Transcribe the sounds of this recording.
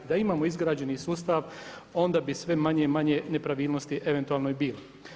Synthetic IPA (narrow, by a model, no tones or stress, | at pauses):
d̪aimaːmoizɡɾaːd͡ʑe̞nisuːst̪aʋo̞nd̪abisʋe̞maɲemaɲene̞pɾaʋiːlˠnost̪iʔe̞ʋe̞nt̪uaːlˠnoibiːlo